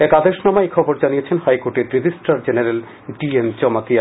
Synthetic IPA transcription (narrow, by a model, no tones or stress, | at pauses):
ɛkad̪eʃnamaekʰɔboɾd͡ʑanijet͡ɕʰenhajkoɾʈeɾːed͡ʑisʈaɾd͡ʑeneɾel | ɖiemt͡ɕɔmat̪ia